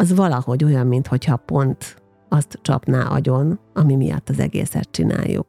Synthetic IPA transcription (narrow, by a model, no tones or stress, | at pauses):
ɒzvɒlɒho̞ɟo̞jɒmːint̪ho̞chɒpo̞nt̪ | ɒst̪t͡ʃɒ̰pnaːʔɒ̰ɟo̞nɒmimijɒ̰t̪ːɒzɛ̰ɡḛːsɛt̪̚t͡ʃina̰ːjːṵk̚